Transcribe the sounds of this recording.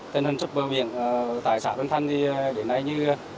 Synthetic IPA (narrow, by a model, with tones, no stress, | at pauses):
t̪i˧nhi˨˩ŋsɨ˦˥k͡p̚ɓəː˨˩vḭ˧˨ənː˨t̪a̰ː˧˨jsa̰ː˧˥nɓə˧nt̪ʰa˧ŋ̟i˨˧ɗe˨˦nːa˧jɲɨ˧˨